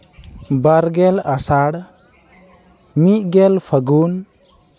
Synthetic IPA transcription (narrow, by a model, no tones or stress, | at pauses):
baɾɡɛlasaɽ | miʔɡɛlpʰəɡun